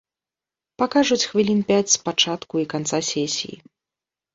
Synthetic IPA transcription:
pakaʐut͡sʲxvʲilʲinpʲat͡sʲspat͡ʂat̪kuikant̪sasʲɛsʲḭjḭ

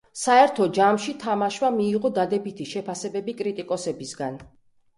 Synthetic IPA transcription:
saɛɾt̪ʰɔd͡ʒamʃit̪ʰamaʃwamiːʁɔd̪ad̪ɛbit̪ʰiʃɛpʰasɛbɛbikʼɾit̪ʼikʼɔsɛbisɡan

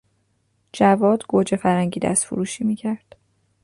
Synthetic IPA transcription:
d͡ʒævɒːd̪ɡ̥od͡ʒefæɾhæŋɟiːd̪æ̰st̪foɾuːʃiːmiːcʰæɾd̪̥

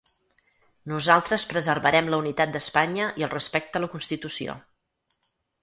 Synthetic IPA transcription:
nuzalˠt̪ɾəspɾəzərβəɾɛmləunit̪at̪̚d̪əspaɲəʔiəlˠrəspɛk̚t̪ələkunst̪it̪usio̰

